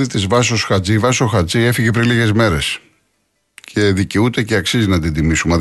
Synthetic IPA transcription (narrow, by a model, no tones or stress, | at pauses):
it̪izvɐs̬o̞sxɐt͡sivɐso̞xɐt͡sie̞fiʝe̞pɾiliɣe̞zme̞ɾe̞s | cʰe̞ðiceut̪e̞ceɐksizinɐd̪ind̪imisume